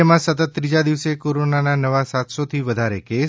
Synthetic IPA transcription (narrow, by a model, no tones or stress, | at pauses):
emãsət̪ət̪̚ːɾid͡ʒad̪iʋsekoɾonananəʋasat̪sot̪ʰiʋəd̪ʱaɾekes